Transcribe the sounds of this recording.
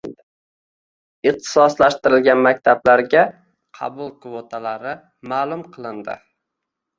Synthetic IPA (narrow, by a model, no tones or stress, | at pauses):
ɪq̚t̪ʰɪ̥sɒslaʃt̪ɪɾɪlɡʲanmak̚ʲt̪ʰablaɾɡʲa | qʰɑ̰bʊlˠkvot̪ʰalaɾɪ | maːlˠʊmqʰɨlˠɪnd̪ɪ̰